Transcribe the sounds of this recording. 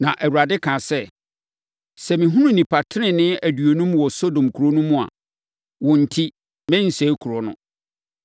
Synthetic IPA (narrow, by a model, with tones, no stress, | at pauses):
nã˨ʔæ˨wu˨ɾa˨dɪ˦kʰã˨sɛ˦ | sɛ˨mɪ̃˨ɦũ˦nũ˦nĩ˨pʰa˨tʰɪ˦nɪ̃˨nɪ̃˦æ˨dɥo˨nũ˦mwɔ˨so˦dõ˨mkʰu˨ɾo˦nũ˦mũ˦˨a̰˨ | wɔ̃˨n̩˨tʰi˦ | mɛ̃˦n̩˨sɛ˨˦kʰu˨ɾɔ˨nʊ̰̃˦